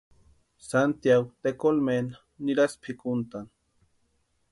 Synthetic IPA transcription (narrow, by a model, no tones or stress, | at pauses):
sant̪jaɡot̪ekolmena | niɾaspʰikʊnt̪an